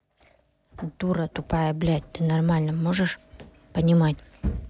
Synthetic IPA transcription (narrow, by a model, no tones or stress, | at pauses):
d̪uɾət̪ʊpajəblʲæt̚ʲt̪ɨnɐrmalʲnəmoʐɨʂ | pənʲɪmatʲ